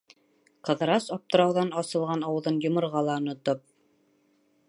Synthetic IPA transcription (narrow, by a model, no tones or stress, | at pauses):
qɤ̆ðɤ̆ɾɑsɑp̚t̪ɤ̆ɾɑwðɑnɑsɤ̆lˠʁɑnɑwɤ̆ðɤnjŏmɤ̆ɾʁɑlˠɑŏnŏt̪op̚